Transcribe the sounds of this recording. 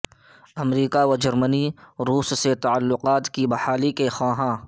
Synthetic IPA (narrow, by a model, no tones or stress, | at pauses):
ɐmɾiːkaʋad͡ʒɐɾməniɾuːsːet̪ɐəlːʊqaːt̪kibɐhaːlikexãːɦãː